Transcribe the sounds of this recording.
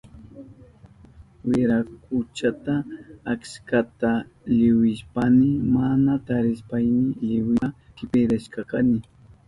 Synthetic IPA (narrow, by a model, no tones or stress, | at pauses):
wɪɾakʊt͡ʃat̪aakskat̪aʎɪwɪʃpanɪmanat̪aɾɪspajnɪʎɪwɪ | kɪpɪɾaʃkakanɪ